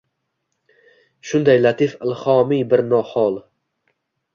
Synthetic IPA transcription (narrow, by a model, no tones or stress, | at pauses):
ʃʊnd̪ajlat̪ʰɪfɪlhɒmibɪɾnɒhɒlˠ